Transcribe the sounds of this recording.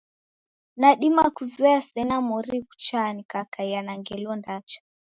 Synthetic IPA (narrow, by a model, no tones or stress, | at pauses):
naɗimakuzɛasɛnamɔɾiku̥t͡ʃanikakaianaŋɡɛlɔndat͡ʃḁ